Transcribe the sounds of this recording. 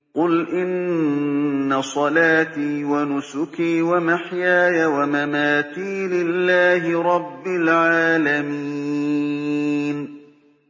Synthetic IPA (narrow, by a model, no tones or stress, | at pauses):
qʊlʔɪnnː | asˤɑlaːt̪iːwanʊsʊkiːwamaħjaːjawamamaːt̪iːlɪlːaːɦɪɾˤɑbːɪlʕaːlamiː | n